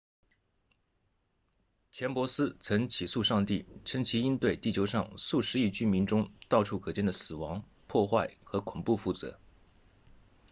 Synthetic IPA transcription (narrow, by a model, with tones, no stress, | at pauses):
t͡ɕʰjɛ˧˥npwɔ˧˥sɹ̩˥t͡sʰɤ˧˥ŋt͡ɕʰi˨˩su˥˧ʂɑ˥˧ŋt̪i˥˩ʈ͡ʂʰɤ˧˥ŋt͡ɕʰi˧˥i˥nt̪we˥˧ɪt̪i˥˩t͡ɕʰjo˧˥ʊʂɑ˥˧ŋsu˥˩ʂɻ̩˧˥i˥˩t͡ɕy˥mi˧˥nʈ͡ʂʊ˥ŋt̪ɑ˥˩ʊʈ͡ʂʰu˥kʰɤ˨˩t͡ɕjɛ˥˩nd̪ə˩sɹ̩˨˩wɑ˧˥ŋ | pʰwɔ˥˧xwa˥˩ɪxɤ˧˥kʰʊ˨˩ŋpu˥˩fu˥˩t͡sɤ̰˧˥